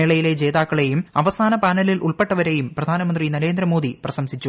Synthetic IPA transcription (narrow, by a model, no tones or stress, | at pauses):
eɭɐjile̞d͡ʑe̞ːðaːkːɐɭe̞jumɐʋɐsaːnɐpaːnɐlilʔuɭpe̞ʈːɐʋɐɾe̞jumprɐd̪ʱaːnɐmɐndrinɐɾe̞ːnd̪ɾɐmo̞ːd̪iprɐɕɐmsit͡ɕːu